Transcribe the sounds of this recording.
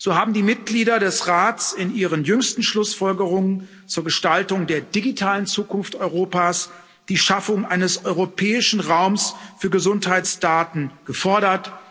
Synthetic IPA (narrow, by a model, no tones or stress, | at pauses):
z̥oːhaːbm̩diːmɪt̚ɡ̥liːdɐdɛsʁaːtt͡sɪnʔiːʁənjʏŋstn̩ʃlʊsfɔlɡəʁʊŋən | t͡suːɐɡəʃtaltʊŋdeːɐdiɡitʰaːlənt͡suːkʊnftɔʏʁoːpaːs | d̥iːʃafʊŋʔaɪnəsɔʏʁopʰɛːɪʃn̩ʁaʊmsfyːɐɡəzʊnthaɪt͡sd̥aːtn̩ɡ̥əfɔɐɾɐt